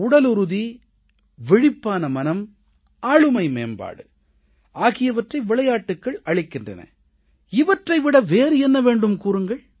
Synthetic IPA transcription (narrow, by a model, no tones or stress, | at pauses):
ʊɽɐlʊɾɯði | ʋɪɻɪpːaːnɐmɐnɐm | aːɭɯmɐɪmḛːmba̰ːɽɯ | aːɣɪjɐʋɐʈrɐɪʋɪɭɐjaːʈːɯkːɐɭɐɭɪkːɪndrɐ̰nɐ̰ | ɪʋɐʈrɐɪʋɪɽɐʋeːɾɛnːɐʋeːɳɖɯmkuːɾɯŋɡɐɭ